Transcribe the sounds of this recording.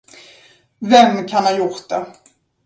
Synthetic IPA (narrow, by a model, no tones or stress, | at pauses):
vɛmːkʰanhanjʊɾt̪̚d̪̥ɛ